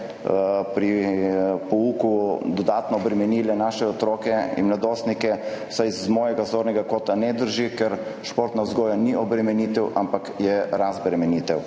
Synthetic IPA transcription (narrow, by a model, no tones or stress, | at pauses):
pɾi | pɔuːkud̪ɔd̪aːt̪nɔːbɾɛmɛniːlɛnaʃɛɔt̪ɾoːkɛḭnmlad̪oːst̪nikɛsajzmɔːjɛɡazoːɾnɛɡakoːt̪anɛd̪əɾʒikɛɾʃpoːɾt̪nazɡɔːjaniʔɔbɾɛmɛnit̪ɛwʔampakjɛɾazbɾɛmɛniːt̪ɛw